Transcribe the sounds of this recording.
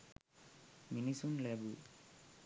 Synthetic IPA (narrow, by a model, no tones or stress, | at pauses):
minisunleːbu